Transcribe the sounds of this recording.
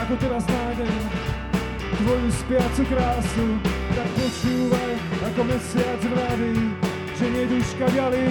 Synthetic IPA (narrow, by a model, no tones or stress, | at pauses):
akot̪ɛdaznaːmɛ | t̪vojuspɪat͡sukɾaːsut̪ak̚pot͡ʃuːvajakomɛsɪad͡ʒɾɾavi | ʒɛmɛd̪uːʃkadjalɪ